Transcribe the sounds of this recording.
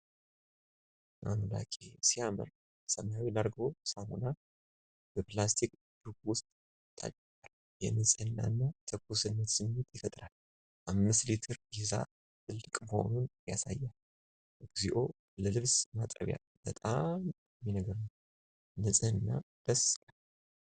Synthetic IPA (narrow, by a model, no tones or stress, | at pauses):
ʔa̰nla̰kʼesiamə̰ɾ | səmajawilaɾɡo̞samṵna | b̥əplast̪ʰikʼ | d̪̥uɡwʊst̪ʼ | t̪ʰːa̰t͡ʃʼː | al | jɛnɨsʼɨnːa̰nːat̪ʰəkːusɨnːət̪sɨmːɨt̪ʰʼjɪfət̪ʼɾal | ʔamːɨst̪lit̪ʰɨɾɡiza̰ | t̪ʰɨlːɨkʼməho̞̰nunja̰sa̰jːal | ʔɨɡziʔo̞ | ləlɨβsmat̪ʼə̰βja̰ | b̥ət̪ʼam | ɛːinəɡəɾnəw | nɨsʼɨɨnːa̰ | d̪̥əskʼalː